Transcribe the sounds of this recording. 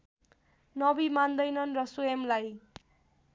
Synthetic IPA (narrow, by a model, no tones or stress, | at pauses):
nʌbimand̪ʌjnʌnrʌsuemlaj